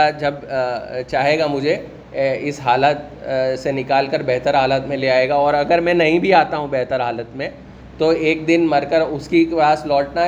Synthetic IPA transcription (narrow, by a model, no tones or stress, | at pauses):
ad͡ʒɐbt͡ʃaːɦeːɡamʊd͡ʒʱe | ɪsɦaːlət̪ | senɪkaːlkəɾbɛɦt̪əɾɦaːlət̪mẽleaːeːɡaɔːɾɐɡəɾmɛ̃nɐɦĩbʱiaːt̪aɦũbɛːɦt̪əɾɦaːlət̪mẽ | t̪oeːk̚d̪ɪnmɐɾkəɾʊskipaːslɔːʈna